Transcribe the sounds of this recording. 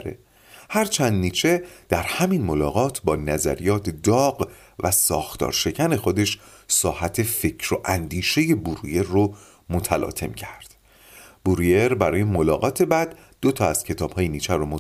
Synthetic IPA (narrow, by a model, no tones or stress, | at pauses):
ɾḛ | hæɾt͡ʃʰænd̪niːt͡ʃʰe̞d̪̥æɾhæminmo̞lɒːɣɒːt̪ʰbɒːnæzæ̰ɾijɒːt̪ʰd̪ɒːɢ | væsɒːxt̪ʰɒ̰ːɾʃe̞cʰæne̞xo̞d̪e̞ʃ | sɒːhæt̪ʰe̞fe̞cʰɾoʔænd̪iːʃe̞je̞buɾṵje̞ɾːo | mot̪ʰælɒ̰ːt̪ʰe̞̰mcʰæɾd̪̥ | buɾije̞ɾbæɾɒːje̞molɒːɣɒːt̪ʰe̞bæd̪̥ː | ot̪ʰɒːæz̥cʰe̞t̪ʰɒːb̥hɒːjeniːt͡ʃʰæɾomo